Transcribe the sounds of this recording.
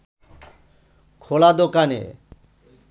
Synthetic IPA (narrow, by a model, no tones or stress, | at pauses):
kʰolad̪okanḛ